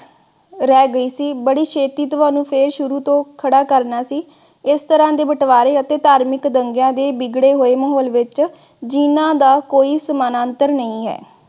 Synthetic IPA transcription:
ɾɛːɡəiːsiːbəɽiːʃʰeːt̪iːt̪ʊʋaːnũːpʰeːɾʃʊɾuːt̪õːkʰəɽaːkəɾnaːsiː | ɪst̪əɾãːd̪eːbəʈʋaːɾeːət̪eːt̪aːɾmɪkd̪əŋɡjãːd̪eːbɪɡɽeːɦoːeːməɦɔːlʋɪt͡ʃ | d͡ʒɪnãːd̪aːkoːiːsəmaːnãːnt̪əɾnəĩːɦɛ̰ː

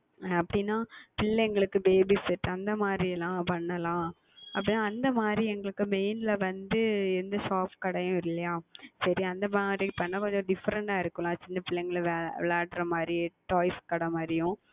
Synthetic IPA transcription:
ɐpːɐɽɪnːaːpɪɭːɛɛŋɡɐɭɯkːɯbeːbisɪʈːɐnd̪ɐmaːd̪ɾiɛlːãːpɐɳːɐlãː | ɐpːɐɽinːaːɐnd̪ɐmaːd̪ɾiɛŋɡɐɭɯkːɯmeɪnlɐʋɐnd̪ɯɪɾɯnd̪ɐsaːpkɐɽɐjʊ̃ɪɾɯlːɐjaːsɐɾiɐnd̪ɐmaːd̪ɾikːpɐɳːɐkoɲd͡ʒoɖɪfːɐɾɐɳɖaːɪɾɯkːɐlãːt͡ʃɪnːɐpɪɭːɛŋɡɐɭʋʋɪlaːʈɾɐmaːd̪ɾiʈoːɪskɐɽɐmaːd̪ɾɪjʊ̃

